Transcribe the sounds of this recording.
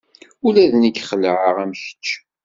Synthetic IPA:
ulæðnəɡχələʕəʁæmçə̥t͡ʃː

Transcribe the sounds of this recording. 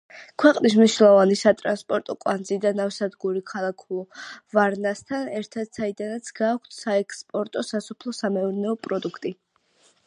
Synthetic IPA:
kʰwɛqʼnismniʃnɛlˠɔvanisat̪ʼɾanspʼɔɾt̪ʼɔkʼwand̪zid̪anafsad̪ɡuɾikʰalˠakʰulˠɔvaɾnast̪ʰanɛɾt̪ʰad̪̥said̪anat̪sʰɡaːkʷʰt̪ʰsaɛkʰspʼɔɾt̪ʼɔsasɔpʰlˠɔsamɛɔɾnɛɔpʼɾɔd̪ukʰt̪ʼi

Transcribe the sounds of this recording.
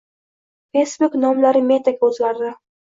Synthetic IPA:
fejsbuknɒmlaɾɪmet̪aɡʲaɵzɡʲaɾd̪ɪ

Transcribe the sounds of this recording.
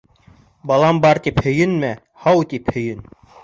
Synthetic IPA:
bɑlˠɑmbɑɾt̪iphɵ̆jɘnmæ | hɑwt̪iphɵ̆jɘn

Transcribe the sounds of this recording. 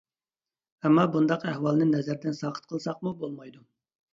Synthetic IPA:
ɛmːɑbund̪ɑqɛhwɑlˠnɨnɛzæɾd̪ɛnsɑqʰə̥t̪̚qʰəlˠsɑqmubolˠmɑjd̪u

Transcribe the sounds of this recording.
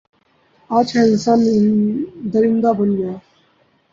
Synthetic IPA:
aːt͡ʃʰɛ̃ːɪnsaːn | d̪əɾɪnd̪aːbənɡjaː

